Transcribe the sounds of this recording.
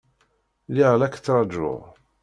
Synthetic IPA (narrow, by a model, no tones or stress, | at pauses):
liʁlækt͡s̪ːɑɾˤd͡ʒʊ̰ʁ